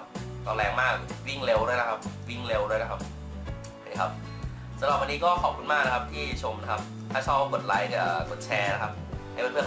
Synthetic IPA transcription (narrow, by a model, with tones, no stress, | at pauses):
kɔː˧˩lɛː˨˧ŋmaː˥˩k̚wi˥˩ŋle˧wdu˥˩əjna˦˥kʰa˦˥p̚wi˥˩ŋle˧wdu˥˩jna˦˥a˦˥p̚ʰ | iː˨˩kʰa˦˥p̚ | sʰa˧nɔː˨˧˩kwa˧nːiː˦˥kɔː˥˩xʰɔː˨˩p̚kʰɯ˥˩nmaː˥˩k̚na˦˥kʰa˦˥p̚t̪ʰiː˥˩t͡ɕʰo˧mna˦˥kʰa˦˥p̚ | t̪ʰaː˥˩sʰɔː˥˩wko˨˩t̪̚la˨˦jkɯː˧˨˩ko˨˩t̪̚t͡ɕʰɛː˧na˦˥kʰa˦˥p̚ha˥˩jwa˧nɾʰɯ˥˩˨